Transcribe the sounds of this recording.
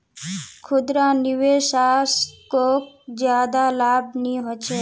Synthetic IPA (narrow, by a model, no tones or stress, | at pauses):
kʰʊd̪ɾanɪʋeʃaskok̚ | d͡ʒjad̪alabniɦɔt͡ʃʰe